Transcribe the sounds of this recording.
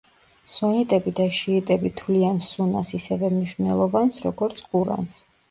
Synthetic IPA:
sɔnit̪ʼɛbid̪aʃiːt̪ʼɛbit̪ʰvliansunasisɛvɛmniʃvnɛlˠɔvansɾɔɡɔɾt̪sʰqʼuɾa̰ns

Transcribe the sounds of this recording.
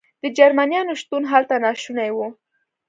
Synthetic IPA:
d̪̥əd͡ʒaɾmanjɑnoʃt̪unɦalt̪anɑʃunajwu

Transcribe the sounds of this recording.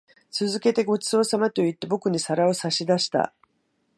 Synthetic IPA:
t͡sɨzɨke̞t̪e̞ɡo̞t͡sɨo̞samat̪o̞it̪ːe̞bo̞kɯ̟ɲ̟isaɾao̞saɕid̪aɕi̥t̪a̰

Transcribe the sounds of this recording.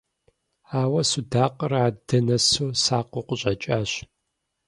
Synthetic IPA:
aːwɐsudaːqʼəraːdɐnɐsoːsaːqʷoqʷʊɕʼɐt͡ʃʼaːɕ

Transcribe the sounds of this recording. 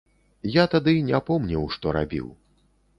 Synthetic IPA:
jat̪ad̪ɨnʲɛpɔmnʲɐwʂt̪ɔɾa̰bʲḭw

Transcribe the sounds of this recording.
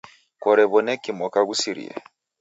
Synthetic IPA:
kɔɾɛβɔnɛkimɔkaɣusiɾḭa̰

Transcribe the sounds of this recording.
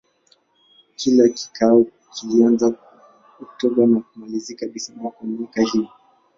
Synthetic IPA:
kʰilaki̥kʰaɔ | kilianza | ɔk̚tɔɓanakumalizikaɓisanaukanikahii

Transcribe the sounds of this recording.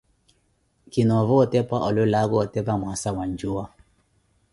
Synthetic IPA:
kinɔvɔɔtɛpaʔɔlʊlaɣɔtɛpamwasawaɲd͡ʒʊa

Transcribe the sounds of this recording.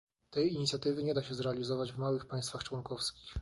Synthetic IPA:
t̪ɛjiɲit̪sʲjat̪ɘvɘɲɛd̪aɕɛzɾɛalʲizɔvad͡ʑvmawɘxpaj̃st̪faxt͡ʂwɔnkɔfskʲix

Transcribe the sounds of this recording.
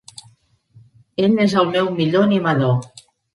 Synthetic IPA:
enezəlˠmɛwmiʎoanimaðo

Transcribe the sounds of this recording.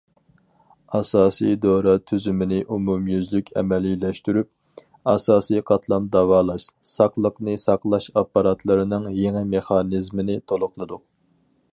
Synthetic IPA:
ɑsɑːsḭjd̪oɾɑt̪ʰyzymɪnɪʔumumjyzlykʲʰɛ̰mɛlilɛʃt̪yɾyp̚ | ɑsɑːsijqʰɑt̪ʰlˠɑnd̪ɑwɑːlˠɑʃsɑqlˠəqnɨsɑqlˠɑʃɑpːɑɾɑt̪ʰlˠɨɾɨnɨŋjeŋɪmeχɑnizmɪnɪt̪ʰolˠʊqlˠɨd̪ʊ

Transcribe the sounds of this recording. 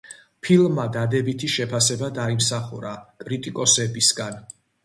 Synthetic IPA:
pʰilˠmːad̪ad̪ɛbit̪ʰiʃɛpʰasɛbad̪aimsaχṵɾakʼɾit̪ʼikʼɔsɛbisɡan

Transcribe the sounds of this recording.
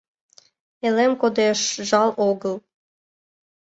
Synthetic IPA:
elemkod̪eʃʒɑlˠoɡəlˠ

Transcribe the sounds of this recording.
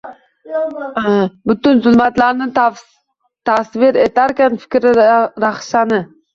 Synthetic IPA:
bʊt̪ʊnzʊlˠmat̪laɾnɪt̪ | t̪ʰasvɪɾet̪ʰaɾkʲanfɪ̥kʲɾɪɾaχʃanɪ

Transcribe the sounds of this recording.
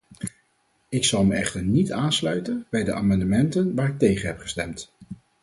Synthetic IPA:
ɪksɑlˠməɛ̰χtəɹnitaːnslœɥtənbɛjdəʔa̰ːmɑndəmɛntənʋaːɹɪk̚tejχənɦɛpχə̥stɛmt

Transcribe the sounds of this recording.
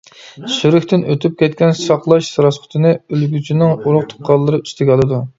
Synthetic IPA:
syɾɪkʲt̪ɪnøt̪ʰyp̚kʲɛt̪̚kʲɛnsɑqlˠɑʃsɨɾɑsqʰʊ̥t̪ʰɨnɨølɡʲyt͡ʃʰinɪŋuɾʊχt̪ʰʊ̥qʰːɑlˠːɨɾɨy̥st̪ʰɪɡʲɑlˠɨd̪u

